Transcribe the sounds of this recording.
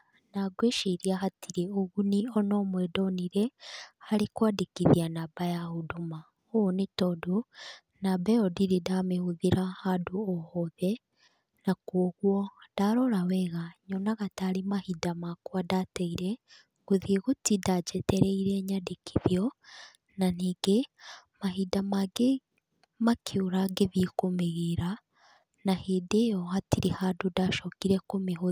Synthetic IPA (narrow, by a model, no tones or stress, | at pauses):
naɡweʃiɾiaɦatʰiɾeoɣunionomwedoniɾehaɾikwadikiðianabajahuduma | oonetodu | nabɛodiɾidamehuðiɾahaduohoðe | nakoɣwod̥aɾolawɛɣaɲɔnaɣataɾemahidamakwadatɛiɾɛ | ɡoðieɣotidad͡ʒɛtɛɾɛiɾɛɲadekʰi̥ðijɔ | naneːɡemaɦidamaɡe | makʰiuɾaɡeβikomeɣeɾa | naheːdejɔhatiɾihadodaʃɔkiɾɛkomeɦo